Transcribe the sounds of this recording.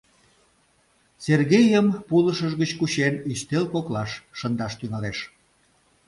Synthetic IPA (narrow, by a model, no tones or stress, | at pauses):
serɣejəmpuləʃəʒɣət͡ɕkuɕeniʃt̪elkoklɑʃːənd̪ɑʃt̪yŋɑleʃ